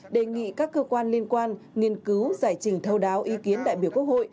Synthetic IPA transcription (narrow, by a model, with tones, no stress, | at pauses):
ɗe˨˩ŋḭ˧˨kaː˦˥kːəː˧kwaː˧nli˧ənkwaː˧nŋi˧˩ənkɨ˨˦wzaː˧˩jt͡ɕï˨˩ŋ̟t̪ʰə˧wɗaː˨˦wʔi˨˦ki˨˦ənɗa̰ː˧˨jɓi˧˩ku˦˥ək̚ho̰˧˨j